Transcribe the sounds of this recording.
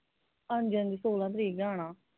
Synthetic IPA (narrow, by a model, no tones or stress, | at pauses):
ənd͡ʒənd̪iːsoːlãːt̪̬əɾiːɡãːɽ̃aː